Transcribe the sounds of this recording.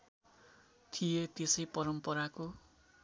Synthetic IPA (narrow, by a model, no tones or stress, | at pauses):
t̪ʰijet̪esʌjpʌɾʌmpʌɾako